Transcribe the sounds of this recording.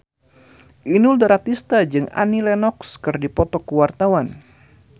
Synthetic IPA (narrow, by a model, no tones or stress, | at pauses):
ʔinuldaɾat̪ist̪ad͡ʒɨŋa̰nilɛnɔkskɨrdipɔt̪ɔkəwart̪awan